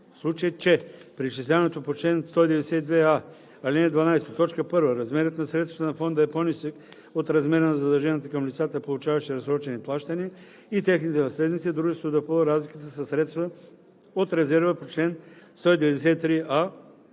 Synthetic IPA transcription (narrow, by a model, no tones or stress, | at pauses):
fslˠut͡ʃəjət͡ʃɛpɾiʃislʲavɐnɛt̪opot͡ʃlɛnst̪ɔid̪ɛvɛd̪ɛsɛt̪id̪vɛa | alinɛd̪vɐnajsɛt̪ɔt͡ʃkəpɤɾvəɾɐzmɛɾət̪nɐsɾɛt̪st̪ɐt̪ənɐfond̪əɛponisək | ot̪ɾɐzmɛɾənɐzɐd̪ɛlˠʒɛniət̪əkɐmlʲit̪sat̪əpolˠut͡ʃavɐʃɛɾɐzɾɔt͡ʃɛniplˠaʃt̪əniə | it̪ɛxnit̪ɛnɐslɛd̪nit̪sid̪ɾuʒɛst̪vod̪ɐpoɾazlikət̪əsɐsɾɛt̪st̪və | ot̪ɾɛzɛɾvəpot͡ʃlɛnst̪ɔid̪ɛvɛd̪ɛsɛit̪ɾia